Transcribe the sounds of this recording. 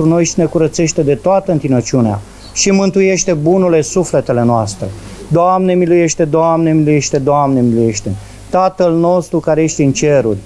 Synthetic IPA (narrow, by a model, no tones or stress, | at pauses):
ɾuno̞jʃine̞kuɾət̪se̞ʃt̪e̞d̪e̞t̪oat̪əɨnt̪inət͡ʃiunea̰ | ʃimɨnt̪uje̞ʃt̪e̞bunule̞sufle̞t̪e̞le̞noast̪ɾe̞̰ | d̪oamne̞miluje̞ʃt̪e̞d̪oamne̞miluje̞ʃt̪e̞d̪oamne̞miluje̞ʃt̪e̞ | t̪at̪əlno̞st̪ɾukaɾeje̞ʃt̪eɨnt͡ʃe̞ɾurʲ